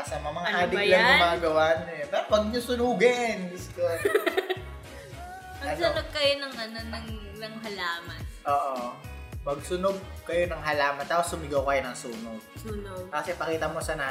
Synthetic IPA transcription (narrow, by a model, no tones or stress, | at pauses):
ɐsɐmɐmɐŋaʔaːd̪ɪɡlɐŋʊmaːɡɐwaːɲɛpɛɾwɐɡ̚ɲosʊnuːɡɛnɡʊsko | mɐɡɐsʊnoɡ̚kɐjonɐŋɐnonɐŋ | nɐŋɦɐlaːmɐnʔoːʔo | mɐɡ̚sʊnoɡ̚kɐjo̞nɐŋɦɐlaːmɐnt̪aːposʊmɪɡɐwkɐjo̞nɐŋsuːnoɡ̚suːnoɡkɐsɛpɐkiːt̪ɐmo̞sɐnaː